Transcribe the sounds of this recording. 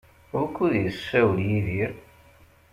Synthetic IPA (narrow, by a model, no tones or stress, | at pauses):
ʊɾkːuðjəsæwljiðiɾ